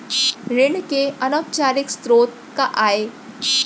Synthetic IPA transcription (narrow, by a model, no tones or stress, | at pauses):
ɾeɳkeənəpt͡ɕaɾɪkst̪ɾoːt̪̚ | kaʔae